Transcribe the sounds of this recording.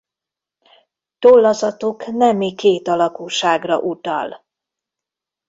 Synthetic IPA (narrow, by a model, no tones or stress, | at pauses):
t̪olːɒzɒt̪uknɛmikeːt̪ɒlɒkuːʃaːɡrɒ̰ʔut̪ɒ̰l